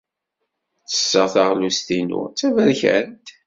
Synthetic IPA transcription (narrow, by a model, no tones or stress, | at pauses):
t͡sə̥sːəʁθaʁlust̪inʊ̰t͡sːævæɾçæ̰nt̪